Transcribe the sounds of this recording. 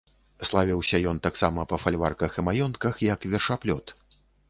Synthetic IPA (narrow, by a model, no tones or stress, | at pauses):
slˠavʲiwsʲɐjɔnt̪aksamɐpɐfalʲvarkɐximajɔnt̪kɐxjɐkvʲɛrʂaplʲɔt̪